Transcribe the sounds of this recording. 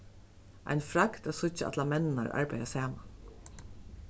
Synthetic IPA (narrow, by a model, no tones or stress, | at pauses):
ʔa̰jnfɾakt̪æsʊt͡ʃəa̰t̪lamɛnɪna̰ɹʔa̰ɹpajasæːman